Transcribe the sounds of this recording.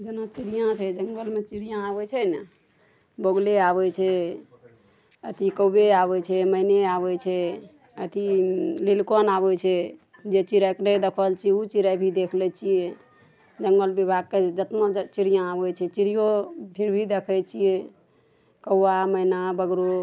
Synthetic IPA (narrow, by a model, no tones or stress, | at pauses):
d͡ʒenat͡ʃiɾijãt͡ʃʰɛd͡ʒəŋɡəlmet͡ʃiɾijãabɛt͡ʃʰɛnə | boɡleaβɛt͡ʃʰɛ | ət̪ʰikəwbeaβɛt͡ʃʰɛməineaβɛt͡ʃʰɛ | ət̪ililkonabɛt͡ʃʰɛ | d͡ʒet͡ʃiɾaknəjd̪ekʰəlt͡ʃʰiɛut͡ʃiɾabʱid̪ekʰlɛt͡ʃʰije | d͡ʒəŋɡəlbibʱaɡ̚ked͡ʒət̪mot͡ʃiɾijãabɛt͡ʃʰɛt͡ʃiɾijopʰiɾbʱid̪ekʰət͡ʃʰije | kəwːaməinabəɡɾo